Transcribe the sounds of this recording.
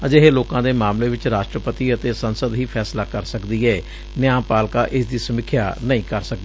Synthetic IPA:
əd͡ʒeɦeːloːkãːd̪eːmaːmleːʋɪt͡ʃɾaːʃʈɾəpət̪iːət̪eːsənsəd̪ɦiːpʰɛːslaːkəɾsəkd̪iːɛː | nɪjãːmpaːlkaːʔɪsd̪iːsəmɪkʰːjaːnəĩːkəɾsək̚d̪eː

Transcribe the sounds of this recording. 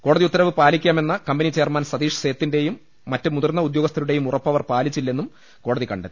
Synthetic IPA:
ko̞ːɽɐðiut̪ːɐɾɐʋɨpaːlikʲːaːme̞nːɐkɐmbɐnit͡ɕe̞ːɐrmaːnsɐd̪iːʂse̞ːt̪ːinde̞jumː | ɐtːɨmuðɐrnːɐud̪jo̞ːɡɐst̪ʰɐɾuɽe̞jumurɐpːɐʋɐrpaːlit͡ɕːilːe̞nːum | ko̞ːɽɐðikɐɳɖet̪ːi̥

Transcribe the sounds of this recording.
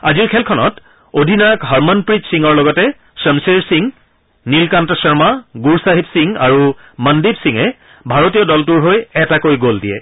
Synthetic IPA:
aziɹkʰɛlkʰɔnɔt | odʱinakɦaɹmɔnpɹid͡ʒsiŋɔɹlɔɡɔtɛ | səmseɹsiŋ | nilkantɔsɔɹmaɡuɹsaɦibsiŋa̰ɹu | məndibsiŋɛ | bʱaɹotijɔdɔltuɹɦojɛtakojɡoldijɛ̰

